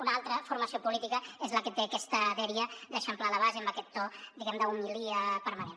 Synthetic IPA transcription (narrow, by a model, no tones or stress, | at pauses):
unalˠt̪ɾəfuɾməsiopulit̪ikəezləkət̪eɐkɛst̪əðeɾiəd̪əʃəmplaləβazeəmbəkɛt̪ːod̪iɣɛmd̪əumiliəpəɾmənen